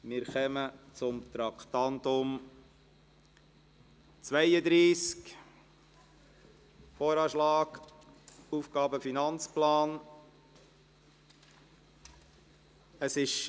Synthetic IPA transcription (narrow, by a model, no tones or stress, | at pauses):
mɪɾxœmət͡sʊmt̪ɾɑkt̪ɑnt̪ʊm | t͡svæɪəd̪ɾiːsk | foːɾɑːʃlɑːk | uːfɡ̥ɑːbəfinɑnt͡splɑːn | əsɪʃ